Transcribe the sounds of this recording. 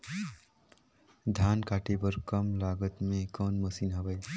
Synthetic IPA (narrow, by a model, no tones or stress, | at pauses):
d̪ʱankaʈebʌɾkʌmlaɡʌt̪mekʌnmʌsinɦʌbʌj